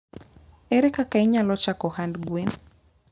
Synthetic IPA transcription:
ɛɾɛkakaiɲalɔt͡ʃakɔhandɡwen

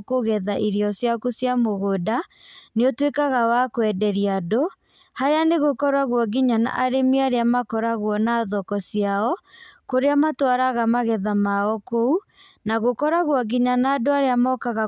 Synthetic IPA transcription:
koɣɛðaʔiɾiɔsjakosjamoɣodaneotwekaɣawakwɛdɛɾiado | haɾeaneɣokɔɾaɣwɔɣiɲana̰ʔaɾemiaɾeamakɔɾaɣwɔnaːðɔkɔsiaɔkoɾeamatwaɾaɣamaɣɛðamaɔkou | naɣokɔɾaɣwɔɣiɲanaːdoaɾeamɔkaɣa

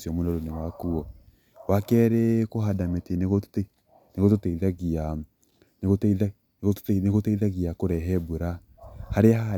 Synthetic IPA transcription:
siɔmonɔɾonewakuɔ | wakɛɾekoɦadameteneɣo | neɣototeiðaɣia | neɣotða | eɣoneɣoteiðaɣiakoɾɛɦɛbuɾa | haɾeaha

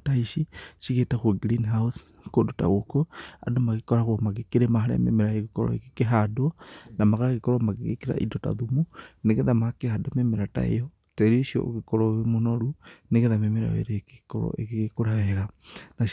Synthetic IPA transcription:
taiʃiʃiɣetakwoɡɾinɦaus | kodota̰ɣokoa̰domaɣekɔɾaɣwomaɣekeɾemaɦaɾḛa̰mḛmeɾaeɣekɔ̰ɾɔ̰ḛkekeɦadwanamaɣaɣekɔɾɔmaɡeɣḛkeɾa̰ʔḭdota̰ðumuneɣeðamakehadamemeɾata̰ḛjɔ | taɾioʃiɔ̰o̰ɣekɔɾɔwemonoɾuneɣeðamemeɾa̰wḛɾekekɔɾɔ̰ekeɣekoɾawɛɣana

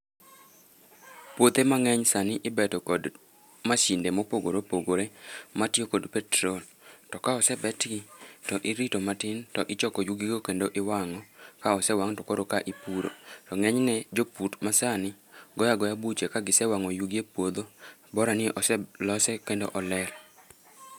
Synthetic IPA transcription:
pwot̪emaŋɛɲsanɪʔɪbɛtɔkɔd | maʃindemɔpoɡoɾopoɡoɾematjokodpɛtɾol | tɔkaɔsɛbɛtɡitɔʔɪɾitomatɪntɔʔɪt͡ʃɔkɔjuɡiɡokendoʔɪwaŋɔkaɔsɛwaŋtɔkoɾokaʔipuɾo̰tɔŋɛɲnɛd͡ʒoputmasanɪ | ɡɔjaɡɔjabut͡ʃekaɡɪsɛwaŋɔjuɡiepwod̪obɔɾanɪɛʔɔsɛlɔsɛkendoʔɔlɛɾ

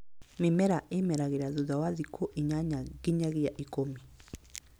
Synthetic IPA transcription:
memɛɾaʔemɛɾaɣeɾaðuðawaðikʰoʔiɲaɲaɣeɲaɣeaʔikomi

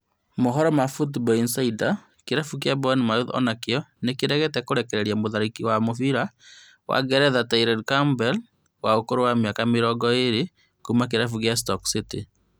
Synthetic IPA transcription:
moɦɔɾɔmafutbɔinsaida | keɾafuk̬jabɔnimaɾuðɔ̰nakeɔnekiɾɛɣɛtɛkoɾɛkɛɾɛɾiamoðaɾikiwamofiɾa | wa̰ɡɛɾɛðataiɾadkambɛl | waokoɾowamiakameɾɔɡɔeɾe | kumak̬eɾafukjas̬tɔksiti

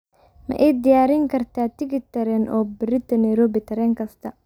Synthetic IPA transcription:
mɐ̰ʔɛjd̪ɪjaːɾɪŋkʰɐrt̪ʰaːt̪ʰɪɣɪt̪ʰɐɾɛnʔɔːbɪɾɪt̪ʰɐnɐjɾɔːbɪt̪ʰɐɾɛːŋkʰɐst̪ʰɐ

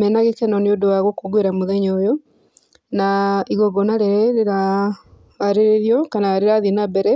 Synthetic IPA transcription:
mɛnaɣekɛnɔneodowaɣwokoɣweɾamoðɛɲɔjo | naiɣɔɡɔnaɾeɾɛeɾaː | ɾeɾeɾjɔkanaɾeɾaðinabɛɾɛ

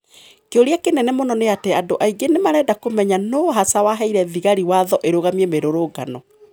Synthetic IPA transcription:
keoɾiakenɛnɛmonɔneatɛadoʔaiɡenemaɾɛːdakomɛɲanɔɦasawaɦɛiɾɛðiɣaɾiwaðɔʔeɾoɣamiemeɾoɾoɡa̰nɔ

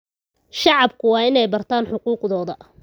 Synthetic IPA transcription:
ʃɑʕɑbkʰʊwɑːɪnɛjbɐrt̪ʰaːnħʊquːqðɔːðɐ

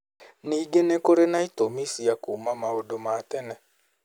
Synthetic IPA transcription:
niːɡenekoɾenaitomisiakumamaodomatɛnɛ

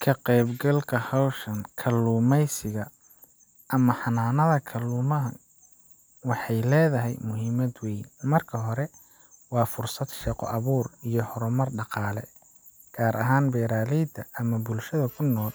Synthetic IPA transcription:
kʰɐqɛjbɡɐlkʰɐhɔwʃɐnkʰɐlːuːmɛjsɪɣɐ | ʔɐmɐħɑnaːnɐðɐkʰɐlːuːmɐɦɐ | wɑħɑjlɛːðɐɦɛ̰jmʊɦiːmɐd̪wɛjnmɐrkʰɐɦɔɾɛ | wɑːfʊrsɐd̪ʃɛqɔ̰ʔɐβuːrijɞhɔɾɔmɐrɖɑqɑːlɛ̰ | ɡ̥aːɾʔɐɦaːnbɛːɾaːlɛjd̪ʰɐʔɐmɐbʊlʃɐðɐkʰʊnːɔːl

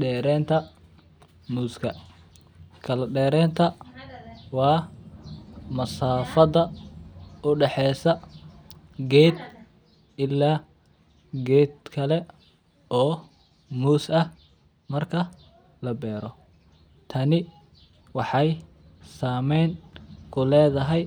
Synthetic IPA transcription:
ɖɛːɾɛːnt̪ʰɐ | muːskʰɐ | kʰɐlɐɖɛːɾɛːnt̪ʰɐ | wɑː | mɐsaːfɐðɐ | ʊɖɛħɛːsɐ | ɡɛːd̪ | ɪlːaː | ɡɛːd̪kʰɐlɛ | ʔɔː | muːsɐh | mɐrkʰɐ | lɐbɛːɾɔ | t̪ʰɐnɪ | wɑħɑj | saːmɛjnkʰʊlɛːðɐɦɛj

